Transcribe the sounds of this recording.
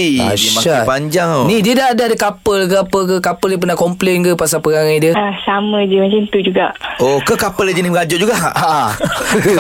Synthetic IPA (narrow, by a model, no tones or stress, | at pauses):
ia̰ʃmaapaɲd͡ʒaŋnidiədaadaadəkapəlkəapək̬əkapəldiəp̬ənakɔmplenkəpasapəɾaŋajdiəasamə̃d͡ʒəmat͡ʃant̪ud͡ʒuɡaʔokəkapəlad͡ʒəniməɡad͡ʒɔʔd͡ʒuɡaʔʔ